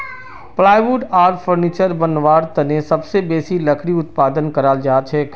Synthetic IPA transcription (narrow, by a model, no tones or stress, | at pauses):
plaːɪʋuːʈaːɾfʰəɾniːt͡ʃəɾbənʋaːɾt̪ənesɐbsebeːsilɐkʰɽiʊt̪paːd̪ənkɐɾaːld͡ʒaːt͡ʃʰɛː